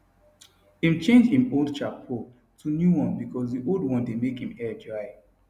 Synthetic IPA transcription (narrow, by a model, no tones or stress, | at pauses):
ĩmt͡ʃẽnd͡ʒĩmolˠd̚t͡ʃapʰɔ | tʰunjuwɔ̃nbikɔsdiʔolˠdwɔ̃ndemekhĩmɛd͡ʒɔɪ